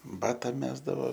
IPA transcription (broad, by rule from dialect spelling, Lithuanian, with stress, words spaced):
ˈbɑːtɐ ˈmʲæːzdɐʋoː